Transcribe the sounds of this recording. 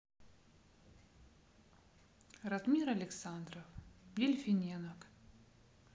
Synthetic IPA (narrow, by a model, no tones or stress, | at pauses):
rɐt̪mʲiɾɐlʲɪksand̪rəfjɪlʲfʲɪnʲɛnɐk